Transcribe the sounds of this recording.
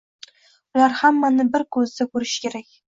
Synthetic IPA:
ʊlaɾhamːanɪbɪɾkʰɵzd̪akʰɵɾɪʃkʲe̞ɾakʲ

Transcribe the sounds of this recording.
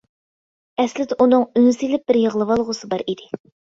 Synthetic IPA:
ɛslɪd̪ɪʔunɨŋynsilɪp̚bɪɾjəʁlˠɨwɑlˠʁʊsɨbɑɾid̪ɪ

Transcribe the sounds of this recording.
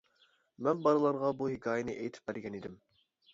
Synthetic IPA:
mɛnbɑɾɨlˠɑɾʁɑbuɦɪkʲʰɑːjɪnɨʔejt̪ʰɪ̥p̚bæɾɡʲɛnid̪ɪm

